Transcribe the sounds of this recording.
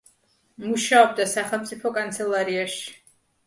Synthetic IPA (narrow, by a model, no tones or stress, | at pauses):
muʃaɔb̚d̪asaχɛlˠmt̪sʼipʰɔkʼant̪sʰɛlˠaɾiaʃi̥